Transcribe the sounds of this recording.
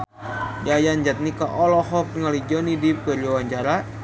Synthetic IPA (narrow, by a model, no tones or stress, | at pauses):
d͡ʒajaɲd͡ʒat̪̚nikaʔɔlɔɦɔk̚ŋalid͡ʒɔnidipəɾawaɲt͡ʃaɾa